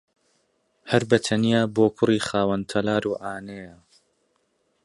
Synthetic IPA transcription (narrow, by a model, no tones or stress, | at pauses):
hɐɾbɐt̪ʰɐnijaːboːkʰʊriːχaːwɐnt̪ʰɐlaːɾuːʔaːnejɐ